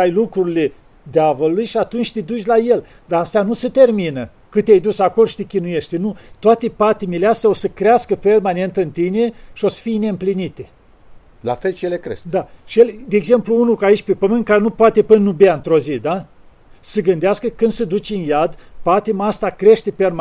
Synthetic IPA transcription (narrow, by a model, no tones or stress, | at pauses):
ajlukɾuɾile | d̪eavəlulujʃiat̪unt͡ʃʲt̪ed̪ut͡ʃʲlaje̞l | d̪aast̪eanusət̪e̞rminə | kɨt̪eajd̪usako̞loʃi̥t̪ekʲinuje̞ʃt̪enut̪oat̪epat̪imeleast̪jao̞səkɾeaskəpe̞rmane̞nt̪ɨnt̪ine̞ʃio̞sə̥fijne̞ɨmplinit̪e | la̰felʃijelekɾesd̪aʃijeled̪eːɡze̞mpluunukait͡ʃʲpepəmɨnt̪̚kaɾenupoat̪epənnubjaɨnt̪ɾo̞zid̪a | səɡɨnd̪easkəkɨnd̪səd̪ut͡ʃʲɨnjad̪pat̪imast̪akɾe̞ʃt̪eperm